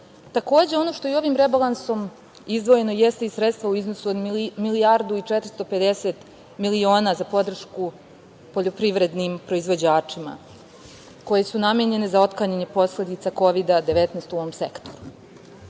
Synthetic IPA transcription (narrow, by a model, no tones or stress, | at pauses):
t̪ako̞ːd͡ʑe̞o̞no̞ʃt̪o̞io̞ʋimɾebalˠanso̞m | izd̪ʋo̞je̞no̞jest̪eisɾet̪st̪ʋauiznosuod̪miliaɾd̪uit͡ʂet̪ɾi̥st̪o̞pe̞d̪eset̪ | milio̞ːnazapo̞d̪r̩ʃku | po̞ʎo̞pɾiʋɾe̞d̪nimpɾo̞izʋo̞d͡ʑaːt͡ʂima̰ | ko̞je̞sunameɲe̞ne̞zao̞t̪klaɲaɲepo̞sle̞d̪it̪sako̞ʋid̪ad̪eʋet̪neːst̪uoomsḛkt̪o̞̥ɾu